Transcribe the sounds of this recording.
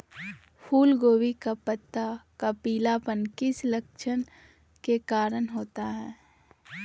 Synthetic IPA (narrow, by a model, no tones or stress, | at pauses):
pʰuːlɡoːʋikapət̪ːakapiːlapənkɪsləkʃʰən | kekaːɾənɦoːt̪aɦɛː